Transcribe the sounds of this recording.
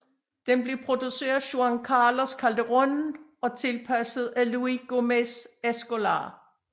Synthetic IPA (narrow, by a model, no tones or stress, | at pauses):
d̥enb̥le̝pʰʁo̝d̥usḛːɐðˠɕoæŋkʰɑːloskʰæld̥əʁɔnɒ̽t͡sʰe̝lpʰæsəð̞̩ˠæluiɡ̥omesesɡ̥o̝lɑ̰̈ː